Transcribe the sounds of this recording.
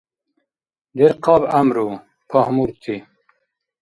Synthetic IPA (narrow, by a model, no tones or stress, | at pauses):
d̪eɾqɑbamɾu | pʰahmuɾt̪ʰi